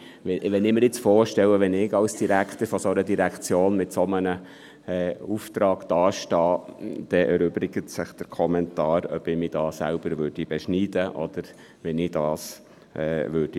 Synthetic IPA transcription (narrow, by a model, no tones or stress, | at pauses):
ɛʋɛnɪmɪɾɪt͡sfɔːɾʃtɛwəʋɛnɪɡɑlsd̥iɾækt̪əɾfɔsoɾədiɾækʰt͡sjoːnmɪtsɔmənə | ɛuft̪ɾɑːɡ̥d̥ɑːʃtɑːd̪̥ɛʔɛɾøbɾɪɡətsɪχd̥əɾkʰɔmɛntɑːɾœ̰bɪmiːd̥ɑːsæ̰lb̥əɾʋøːɾd̥ib̥ɛʃniːd̥əʔɔ̰d̥̪əɾ | ʋɛnɪd̥ɑːs | ɛːʋʏːd̥i